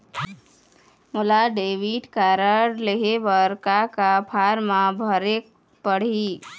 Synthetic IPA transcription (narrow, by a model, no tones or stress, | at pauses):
mʊlaɖeʋiʈkaɾəɾleɦebəɾkakapʰaɾmãbʱəɾek | pəɽ̤i